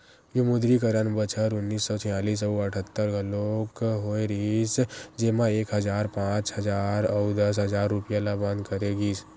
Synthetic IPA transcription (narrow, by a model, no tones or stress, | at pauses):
jumʊd̪ɾikəɾənbət͡ʃʰəɾʊnːiːsːɔːt̪ʰɪjaːliːs̬ɔuəʈʰət̪ːəɾɡɐloːkɦoːeɾiːsd͡ʒeːmãeːkɦɐd͡ʒaːɾpãːt͡ʃɦɐzaːɾɔwd̪əs̬ɦəzaːɾːʊpɪjalabãnd̪kəɾeːɡiːs